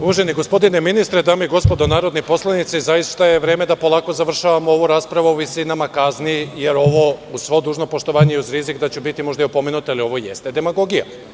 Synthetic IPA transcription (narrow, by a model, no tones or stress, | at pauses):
uʋaʒeniɡo̞spo̞d̪ineminist̪ɾed̪aːmoiɡo̞spo̞d̪onaːɾo̞d̪nipo̞slˠanit̪sizajist̪aje̞ʋɾe̞ːme̞d̪apo̞lˠaːko̞zaʋr̩ʃaʋamooʋuɾaːspɾaʋuuʋisinamakaznije̞ɾo̞ʋo̞usʋo̞d̪uːʒno̞po̞ʃt̪o̞ʋaːɲeiuzɾizikd̪at͡ɕubit̪imo̞ʒd̪aiupo̞menut̪alio̞ʋojḛst̪e̞d̪e̞maɡo̞ɡija̰